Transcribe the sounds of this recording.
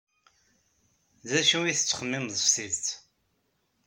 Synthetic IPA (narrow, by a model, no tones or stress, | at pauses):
ðæʃuiθət͡sːə̥χəmːɪmzˤəfsiðt̪